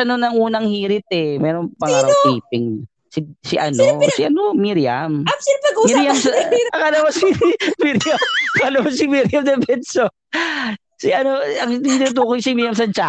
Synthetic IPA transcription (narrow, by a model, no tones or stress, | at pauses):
ɐnonɐŋʔuːnɐŋhiːɾɪt̪̚ʔɛmɛːɾoŋpɐŋaːɾɐwsiːp̚ɪŋ | sɪsɪʔɐ̰nosɪʔɐnomiɾjɐ̰miɐɡmiɾjɐmsɐŋɐlɐwasimiɾjɐmɐlɐmɐsɪmiɾjɐmd̪ɛbɛd̪so | sɪʔɐnoɐŋinut̪̬uːkojsɪmiɾjɐms̬ɐnt͡ʃa